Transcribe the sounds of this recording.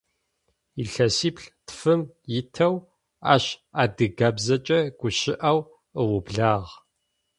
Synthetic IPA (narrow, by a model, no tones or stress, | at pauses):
iɬɐsiːpɬtfɨm | jɪtʰɐw | a̰ːɕaːdɨɡabzɐt͡ʃʼɐɡ̥ʷʊɕɪʔɐw | əwʊbɮaːʁ